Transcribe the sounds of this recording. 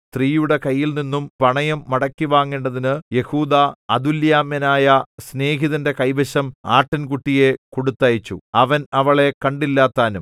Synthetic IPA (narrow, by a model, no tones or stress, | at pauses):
st̪riːjuɽe̞kɐjːilninːumpɐɳɐjɐmːɐɽɐkːiʋaːŋːeːɳɖɐðinɨje̞huːd̪aːd̪uljaːmjɐnaːjɐsne̞ːɦiðɐnde̞kɐjbɐɕɐma̰ːʈːɐnkuʈːije̞koɽut̪ːɐjit͡ɕːuɐʋɐnɐʋɐɭe̞kɐɳɖilːaːt̪ːaːnum